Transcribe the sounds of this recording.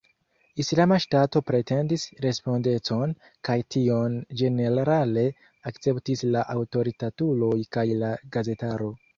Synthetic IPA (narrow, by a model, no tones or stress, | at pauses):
islamaʃtato̞pɾe̞te̞ndisɾe̞spo̞nde̞t͡so̞n | kajtʰio̞nd͡ʒe̞ne̞ɾɾale̞ | akt͡se̞ptislaʔawto̞ɾitatulo̞jkajlaɡaze̞taɾo̞